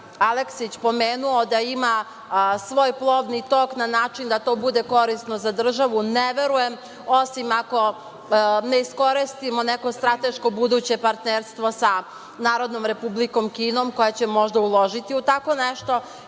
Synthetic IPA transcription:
aleksit͡ɕpo̞meːnuod̪aima | sʋo̞ːjplˠo̞ʋnit̪o̞ːknanaːt͡ʃind̪at̪o̞ːbud̪e̞ko̞ɾisno̞zad̪r̩ʒaʋuneʋe̞ɾuje̞m | osimako̞ | neisko̞ɾist̪imo̞neko̞st̪ɾat̪e̞ʃko̞bud̪uːt͡ɕe̞paɾt̪neːɾst̪ʋo̞sa | naːɾo̞d̪no̞mɾe̞publiko̞mkiːno̞mko̞jet͡ɕemo̞ʒd̪aulˠo̞ʒit̪iut̪ako̞neʃt̪o̞

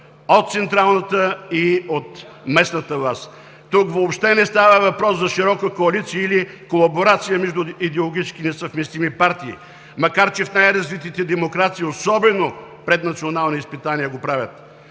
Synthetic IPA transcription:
ot̪̚t̪sɛnt̪ɾalˠnət̪əiot̪ | mɛsnət̪əvlˠas | t̪ukvoːpʃt̪ɛnɛst̪avəvɐpɾɔszɐʃiɾɔkəkoɐlit̪siəili | kolˠɐboɾat̪sijəmɛʒd̪ʊid̪ɛolˠoɡʲit͡ʃk̟inɛsɐvmɛst̪imipaɾt̪ḭː | mɐkaɾt͡ʃɛfnajɾɐzvit̪it̪ɛd̪ɛmokɾat̪siːosɔbɛnopɾɛt̪nɐt̪sionalˠniispit̪aniəɡopɾavʲət̪

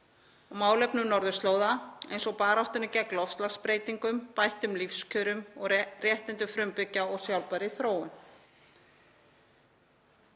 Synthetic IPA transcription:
ɔɣmaːwlɛpnʏnɔɾðʏst̪loːwðaḛjnsɔɣpaːɾaht̪ʏnɪcɛklɔfst̪laɣspɾeːjt̪iŋkʏmpajht̪ʏmlifscʰœɾʏmɔɣrjɛht̪ɪnt̪ʏfɾʏmpʏcːaɔɣsjawlpaɾɪθɾoːwʏm

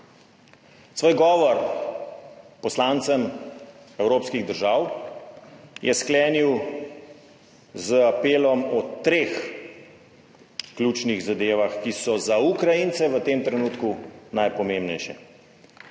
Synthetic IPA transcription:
sʋoːjɡɔːʋɔɾ | pɔslaːnt̪səm | ɛwɾoːpskiɣd̪əɾʒaːw | jʔɛsklɛːniw | zəapeːlɔmɔt̪ɾeːx | klʲuːt͡ʃniɣzad̪eːʋaxkisɔzaukɾajint̪sɛʋət̪eːmt̪ɾɛnuːt̪kunajpɔmembnɛjʃɛ

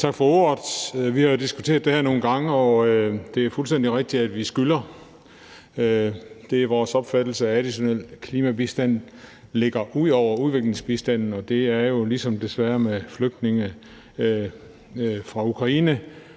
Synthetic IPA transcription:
t͡sʰɑ̈ɡ̥fɒ̽oɐð̥ˠʋihɑ̈jo̝d̥isɡ̥u̥t͡sʰe̝̰ːɐðˠd̥ehæɐno̝ːn̩ɡ̥ɑ̈ŋəɒ̽d̥e̝æɐfulsten̰d̥iʁeɡ̥̚d̥iæd̥ʋisɡ̥ylɐ | ød̥e̝æɐʋɒːsɒ̽b̥fæd̥l̩səææd̥iɕo̝nel̰kʰliːmæbisd̥æn̰ | le̝ɡ̥ɐʔuð̰ˠɒʊ̰ɐuðˠʋe̝ɡ̥le̝ŋsb̥isd̥æn̰n̩ɒ̽d̥e̝æɐjo̝lisɒ̽md̥e̝sʋæɐmefløɡ̥̚d̥ne̝ŋə | fʁɑ̈ukʰʁɑ̈iːnə

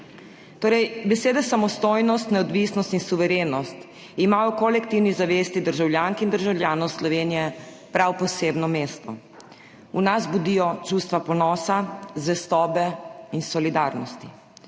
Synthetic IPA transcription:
t̪oːɾɛjbɛseːd̪ɛsamɔst̪oːjnɔst̪nɛɔd̪ʋisnɔst̪insuʋɛɾeːnɔst̪ | imaːjɔkɔlɛkt̪iwnizaʋeːst̪id̪əɾʒawljaːŋkind̪əɾʒawljaːnɔwslɔʋeːnijɛ | pɾawpɔseːbnɔmeːst̪ɔ | unazbud̪iːjɔt͡ʃust̪ʋapɔnɔːsazʋɛst̪ɔːbɛinsɔlid̪aɾnɔst̪i̥

